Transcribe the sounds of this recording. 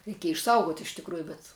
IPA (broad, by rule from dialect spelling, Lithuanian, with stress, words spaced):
rʲɛɪˈkʲiɛjɛ ɪʃˈsɐʊɡoːtʲ ɪʃ tʲɪkˈruːjʊ bʲɛt